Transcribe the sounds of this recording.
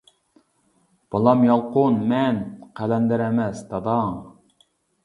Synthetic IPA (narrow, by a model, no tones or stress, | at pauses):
b̥ɑlˠɑmjɑlˠqʊnmɛnqʰælɛnd̪ɪɾɛmɛsd̪ɑd̪ɑŋ